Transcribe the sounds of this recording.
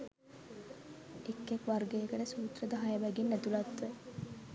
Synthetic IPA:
ekːekʋarɡejəkəʈəsuːt̪rəd̪aɦajəʋæɡinːæt̪ulat̪ʋə

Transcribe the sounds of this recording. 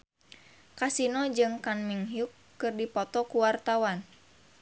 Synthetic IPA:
kasinɔd͡ʒɨŋkanmiŋɦjukːɨrdipɔt̪ɔkuwart̪awan

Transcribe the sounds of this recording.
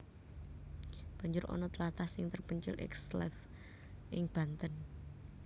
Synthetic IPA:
b̥ä̤ɲd͡ʒʊɾʔɔ̰nɔt̪əlat̪asɪŋt̪ərpəɲt͡ʃɪ̰lʔɛ̰kslɛf | ʔɪŋb̥ä̤nt̪ən

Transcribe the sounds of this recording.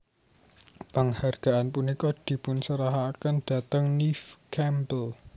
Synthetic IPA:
pəŋharɡ̥a̤ʔanpunikɔd̪̥i̤pʊnsəɾaɦakənɖ̥a̤t̪əŋnifkʰɛmbəl

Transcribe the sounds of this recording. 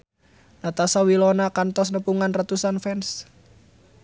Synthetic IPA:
nat̪asawilɔnakant̪ɔsnəpuŋanrat̪usanfɛns

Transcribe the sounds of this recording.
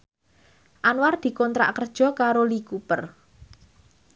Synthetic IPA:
ʔanward̪̥i̤kɔnt̪ɾa̰ʔkərd̥ʒ̥ɔ̤kaɾolikupər

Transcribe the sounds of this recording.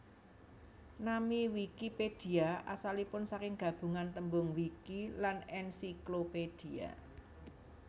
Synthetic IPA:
namiwikiped̥i̤aa̰salipʊnsakɪŋɡ̥a̤b̥ṳŋant̪əmbʊŋwikilanɛnsikloped̥i̤a̰

